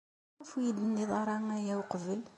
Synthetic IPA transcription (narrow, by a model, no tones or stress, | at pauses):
æfujid̪ənːiðˤɑɾˤɑŋæjæwqəvəl